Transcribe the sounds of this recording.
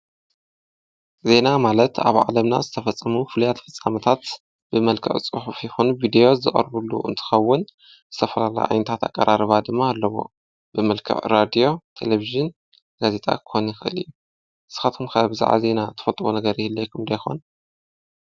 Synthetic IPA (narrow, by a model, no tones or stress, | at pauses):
ze̞namalɐt̪a̰βʕa̰lɐmna̰zɨt̪ʰɐfɐt͡sʼːɐmufɨlujat̪fɨt͡sʼːamɐt̪ʰat̪ | b̥ɨmɐlkʰɐ̰ʕt͡sʼɨħufjɛxonuvid̪ejo̞zɨkʼɐ̰ɾbulːṵɨ̰nt̪ʰɨ̥xɐwːʊn | zɨt̪ʰɐfɐlala̰jʔa̰jnɐt̪ʰat̪a̰kʼːɐɾaɾɨβad̪ɨmːaːlːɐβo̰ | b̥ɨmɐlkʰɐ̰ʕɾad̪ijo̞t̪ʰḛleviʒɨn | ɡ̥aze̞t̪ʼa̰kʰɨ̥xonjɪxɨʔɨ̰lḭjːu | ɨsɨ̥xat̪ʰumkʰɐbɨza̰ʕa̰ze̞nat̪ʰɨ̥fɐlt̪ʼwunɐɡɐɾihɨlːejkʰɨmd̪ɐjxo̞̰n